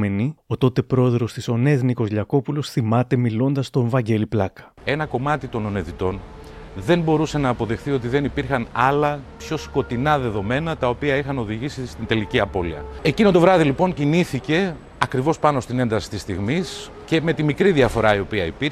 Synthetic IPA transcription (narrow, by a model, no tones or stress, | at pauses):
e̞nio̞t̪o̞t̪e̞pɾo̞e̞ðɾo̞st̪iso̞ne̞zniko̞zʎɐko̞pulo̞sθimɐt̪e̞milo̞nd̪ɐst̪o̞evɐɲɟe̞liplɐkɐ̥e̞nɐko̞mɐt̪it̪o̞no̞ne̞ðit̪o̞n | ðe̞nbo̞ɾuse̞nɐːpo̞ðe̞xθio̞t̪iðe̞nipiɾxɐnɐlɐpço̞sko̞t̪inɐðe̞ðo̞me̞nɐt̪ɐo̞piɐixɐno̞ðiʝisist̪int̪e̞liciɐpo̞lḭɐ̰e̞cinot̪o̞vɾɐðilipo̞ɲciniθice̞ | ɐkɾivo̞spɐno̞st̪ine̞nd̪ɐsi̥t̪ist̪iɣmis | ce̞me̞t̪imikɾiðiɐfo̞ɾɐio̞piɐipiɾ